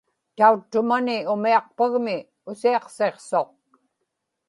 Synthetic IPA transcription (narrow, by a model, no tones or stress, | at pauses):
t̪aut̪ːʊmanɪʊmiɑq̚paɣmɪ | ʊsiɑqse̞qso̞q̚